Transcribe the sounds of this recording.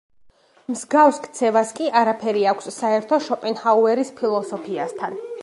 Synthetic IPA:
mzɡafskʰt̪sʰɛvaskʼiʔaɾapʰɛɾiakʷʰsːaɛɾt̪ʰɔʃɔpʼɛŋhauɛɾispʰilˠɔsɔpʰiast̪ʰan

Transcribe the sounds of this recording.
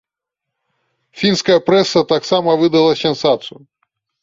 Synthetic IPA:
fʲinskɐjɐpɾɛsːɐt̪aksamɐvɨd̪ɐlˠɐsʲɛnsat̪sɨju

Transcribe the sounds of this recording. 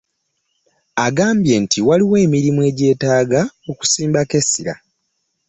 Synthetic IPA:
aɡaːmbje̞ntʰiwaliwe̞ːmiɾimue̞ːɟe̞ːtaːɡao̞ku̥siːmbake̞siɾa̰

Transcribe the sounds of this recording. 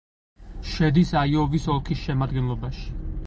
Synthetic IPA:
ʃɛd̪isaiɔvisɔlˠkʰisʃɛmad̪ɡɛnlˠɔbaʃi̥

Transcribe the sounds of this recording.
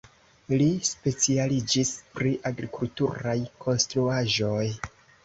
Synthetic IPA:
lispe̞t͡sialid͡ʒispɾiʔaɡɾikultuɾajkʰo̞nstɾuaʒo̞j

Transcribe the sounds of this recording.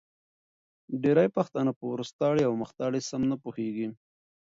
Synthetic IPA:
ɖeɾajpaxt̪ɑnapəwɾʊst̪ɑɽeawməxt̪ɑɽesamnapuheɡi

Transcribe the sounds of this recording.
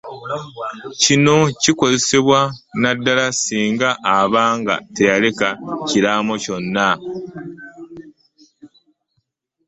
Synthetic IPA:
cino̞ciko̞ze̞seβwanadːalasiːŋɡaʔːβaːŋɡa̰te̞jale̞kaciɾamo̞co̞nːa

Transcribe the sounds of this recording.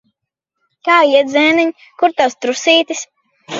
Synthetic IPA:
kaːiɛd̪zɛːniɲ | kuɾt̪awst̪ɾusiːt̪is

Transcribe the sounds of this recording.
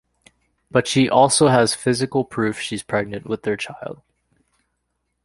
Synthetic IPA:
b̥ʌtʃiʔɔlˠsoʊəz̥fɪzɨkl̩ˠpʰɹ̥ʉfʃiz̥pʰɹ̥ɛɡ̚nɨ̃nʔwɪðə˞t͡ʃʰaɪlˠd̥̚

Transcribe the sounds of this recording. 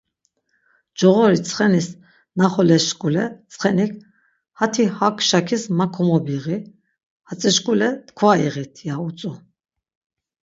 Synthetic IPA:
d͡ʒɔʁɔɾit͡sʰʼχɛnis | naχɔlɛsʃkʼulɛt͡sʼχɛnikʰ | hat̪ʰihakʰʃakʰismakʰɔmɔbiʁi | hat͡sʼɛʃkʼulɛt̪kʰvaiʁit̪ʰiaut͡sʼu

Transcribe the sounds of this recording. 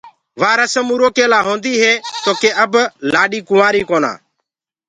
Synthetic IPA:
ʋaːɾasəmuːɾoːkeːlaːɦõːnd̪iːɦeːt̪oːkeːʔəblaːɗiːkʊʋaːɾiːkoːna̰ː

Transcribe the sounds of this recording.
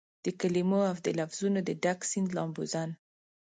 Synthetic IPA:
d̪̥əkalimoawd̪əlafz̥unod̪əɖaksind̪lɑmbuzan

